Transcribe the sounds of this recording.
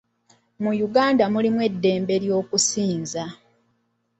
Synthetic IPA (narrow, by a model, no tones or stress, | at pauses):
mujuɡaːndamulimwe̞dːe̞ːmbe̞ɾjo̞ːkusiːnza